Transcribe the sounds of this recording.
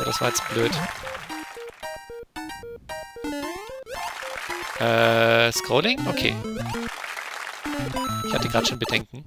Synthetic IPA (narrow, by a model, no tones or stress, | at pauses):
dasv̥a̰ːɐjɛt͡sb̥løːt | ʔɛːskʁ̥oːlɪŋʔokʰḛː | ɪçhatəɡʁaːtʃoːnbədɛŋkŋ̩